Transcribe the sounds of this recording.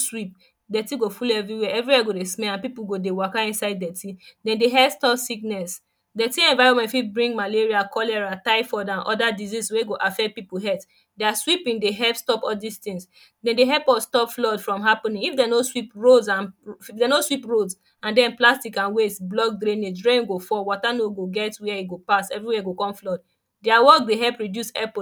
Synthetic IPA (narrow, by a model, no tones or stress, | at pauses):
swip̚ | dɛtiɡofulɛvɹiwɛɛvɹiwɛɡodesmɛlãnpipuɡodewakaĩnsaɪddɛtidɛ̃ndeɦɛstɔfsiknɛs | dɛtiɛ̃nvaɪɹɔ̃nmɛ̃tfibɹĩŋmaleɹiakʰɔlɛɹataɪfɔdãnʔɔ̰dadizizweɡoʔafɛpipuɦɛt | dɛaswipĩŋdeɦɛlpstɔpɔldist̪ĩŋs | dɛ̃ndeɦɛpɔstɔpflɔdfɹɔ̃mɦapɔ̃nĩŋifdenoswipɹodzãnifdenoswipɹods | ãndɛ̃nplastikãnwetblɔk̚ɡɾĩnedɹẽnɡofɔwɔtanoɡoɡɛtwɛiɡopasɛvɹiwɛɡokɔ̃mflɔd | dɛawɔkdeɦɛlpɹidjusɛpo